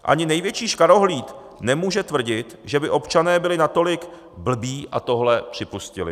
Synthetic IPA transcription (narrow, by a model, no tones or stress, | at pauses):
ʔa̰ɲɪnɛjvjɛt͡ʃiːʃkaɾo̞ɦliːt̪ | nɛmuːʒɛt̪vr̩ɟɪt̪ʒɛbɪʔo̞pt͡ʃanɛːbɪlɪnat̪o̞lɪk | bl̩biːʔa̰t̪o̞ɦlɛpr̥ɪpuscɪ̰lɪ̰